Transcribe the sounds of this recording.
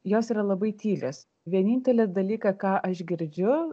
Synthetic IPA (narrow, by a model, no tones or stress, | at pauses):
joːsiːɾɐlˠɐbɐɪt̪ʲiːlʲḛs | ʋʲiɛnʲiːnʲt̪ʲɛlʲɛd̪ɐlʲiːkɐkɑːʔɐʃɡʲɪɾʲd͡ʒʲʊ